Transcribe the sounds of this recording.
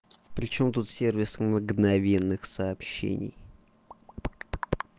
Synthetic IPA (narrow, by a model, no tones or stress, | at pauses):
pɾʲɪt͡ɕo̞mt̪ut̪sʲe̞rvʲɪsməɡnɐvʲe̞nːɨxsɐːpɕːḛnʲɪ̰j